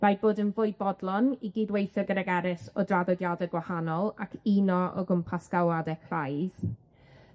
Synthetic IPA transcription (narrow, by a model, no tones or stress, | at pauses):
majboːdənvʊɨbɔdlˠɔniɡiːdwejθɔɡəɾaɡɛɾɪsɔdraðɔdjadɛɡwahanɔlˠakʰinɔʔɔ̰ɡʊmpʰasɡ̥awadɛkʰrajð̥